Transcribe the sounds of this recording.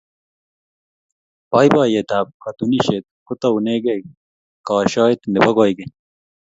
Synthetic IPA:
paːjbaːjet̪aːb̚kɐt̪uniɕet̪̚kut̪ɐuneːɡe | kɑːɕaːet̪nebɐɡaːjɡe

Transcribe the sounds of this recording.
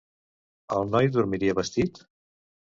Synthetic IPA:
əlˠnɔjðuɾmiɾiəβəst̪it̪

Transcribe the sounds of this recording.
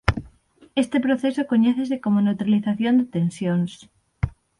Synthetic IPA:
est̪epɾoθesokoɲeθesekomonewt̪ɾaliθaθjond̪et̪ensjons

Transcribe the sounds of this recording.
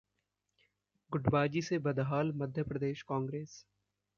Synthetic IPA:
ɡʊʈbaːd͡ʒisebɐd̪ɦaːlmɐd̪ʱjəpɾɐd̪eːʃkãːŋɡɾeːs

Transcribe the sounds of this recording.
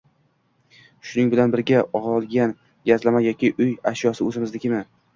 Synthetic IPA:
ʃʊnɪŋbɪlanbɪɾɡʲaɒʁɒlˠɡʲan | ɡʲazlamajɒkʲɪʔʊjaʃjɒsɪɵzɪmɪzlɪkʲɪmɪ

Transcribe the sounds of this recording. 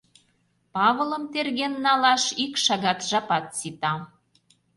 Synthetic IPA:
pɑβələ̆mt̪erɣenːɑlɑʃikʃɑɣɑt̪ʒɑpɑt̪sit̪ɑ

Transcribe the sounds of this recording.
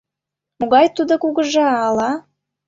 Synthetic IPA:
moɣɑjt̪ud̪okuɣəʒɑːlɑ

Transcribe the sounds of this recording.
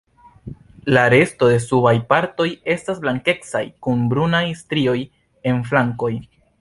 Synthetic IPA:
laɾe̞sto̞de̞subajpaɾto̞je̞stasblaŋke̞ksa̰jkunbɾunajstɾio̞j | e̞nflaŋko̞j

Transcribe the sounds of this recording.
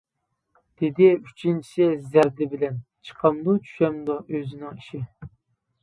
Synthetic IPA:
d̪̥ɪd̪ɪyt͡ʃʰint͡ʃʰi̥sɛzæɾd̪ɪbɪlɛnt͡ʃʰə̥qʰɑmd̪ut͡ʃʰy̥ʃɛmd̪uʔøzɪnɪŋiʃɪ

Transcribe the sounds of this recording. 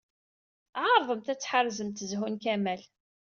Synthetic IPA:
ʕɑɾˤðˤəmt̪æt͡sːħərzəmt̪əzɦunkæmæl

